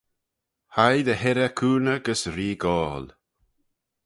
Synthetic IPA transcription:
hajd̪əhɛɾəkʰuːnəɡəsɾiːɡɔːl

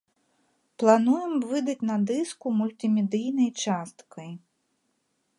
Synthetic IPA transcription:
plˠanujɛmvɨd̪ɐt͡sʲnɐd̪ɨskumulʲt̪ɨmʲɛd̪ɨjnɐjt͡ʂast̪kɐj

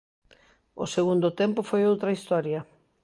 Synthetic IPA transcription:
ʊ̰seɣund̪ʊt̪empʊfojowt̪ɾɐist̪ɔɾjɐ

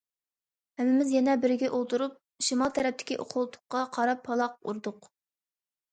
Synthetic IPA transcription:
hæmɪmɪzjɛnɛbɪɾɪɡʲɛʔolˠt̪ʰuɾup̚ | ʃimɑlˠt̪ʰɛɾɛp̚t̪ɪkʲiʔo̰qʰʊlˠt̪ʰʊ̥qːɑqʰɑɾɑpʰːɑlˠɑq̚ṵɾd̪ʊq

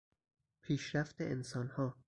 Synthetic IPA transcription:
pʰiːʃɾæft̪eʔensɒːnhɒː

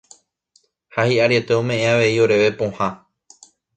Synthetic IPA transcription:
hahiʔaɾje̞t̪e̞õmẽ̞ʔẽaʋe̞io̞ɾe̞ʋe̞põ̞hã

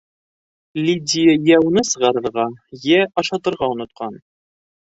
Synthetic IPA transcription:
lʲidʲɪjəjæwnɤsɤ̆ʁɑɾɤ̆ɾʁɑjæʔɑʃɑt̪ɤ̆ɾʁɑunŏt̪̚qʰɑn

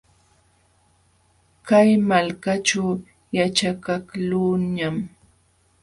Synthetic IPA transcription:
kajmalkat͡ʃaw | jat͡ʃakaklʊɲam

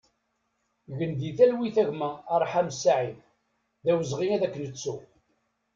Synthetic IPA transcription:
ʝənðiθælwiθæʝmæːɾˤħamsːaʕið | ðæwəzʁinæðækːənət͡sːu

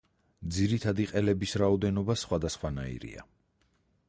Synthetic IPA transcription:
d̪ziɾit̪ʰad̪iqʼɛlɛbisɾaɔd̪ɛnɔbasχwad̪asχwanaḭɾḭa̰

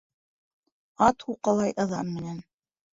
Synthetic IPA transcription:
ɑt̪huqɑlˠɑjʔɤ̆ðɑ̰nmɘ̆næn

